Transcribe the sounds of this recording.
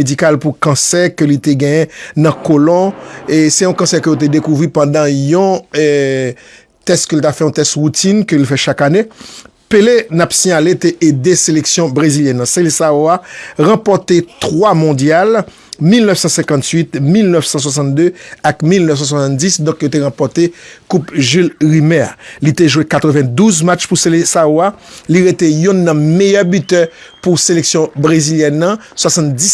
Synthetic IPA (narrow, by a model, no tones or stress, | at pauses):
edikalpukãsɛʁkølit̪eɡɛ̃jɛ̃nɐ̃kolɔ̃esɛjɔ̃kɑ̃sɛkøjot̪̬ed̪ekuvʁipɑ̃d̪ãjɔ̃ | t̪ɛst̪kølt̪afɛjɔ̃t̪ɛst̪ʁut̪inkəlfɛʃakane | pelenapsiɲalet̪eʔed̪eseleksjɔ̃bʁeziljɛ̃nːãselsaoaʁãpɔt̪et̪ʁwamɔ̃djal | milnœfsɑ̃sɛ̃kɑ̃t̪ɥit̪milnœfsɑ̃s̬was̬ɑ̃nt̪̚d̪øakmilnœfs̬ɑ̃s̬wasɑ̃t̪disd̪ɔ̃kjot̪eʁãpɔʁt̪ekupʒylʁimɛa̰lit̪eʒwekat̪ʁəvɛ̃d̪uzmat͡ʃpuselesaoaliʁet̪ejũnːɐ̃mejœbyt̪œpuseleksjɔ̃bʁeziljɛnːɐ̃ | swasɑ̃t̪d͡zis